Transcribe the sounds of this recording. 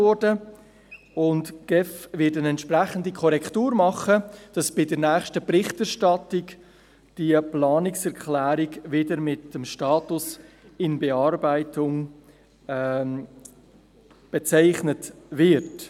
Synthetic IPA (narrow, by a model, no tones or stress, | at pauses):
ɔɾdə | ʊndɡ̥ɛfvɪtənɛntʃpræχəndikʰɔɾɛktuːɾmɑχəd̥ɑsb̥ɪdəɾnæːχʃtəpɾɪχtæɾʃtɑtɪk | d̥iəplɑːnɪksɛɾkʰlæːɾiɡvɪdəɾmɪtəmʃtɑːtʊs | ɪnbɛɑrbaɪtʰʊŋː | b̥ɛt͡saɪχnət | vɪɾt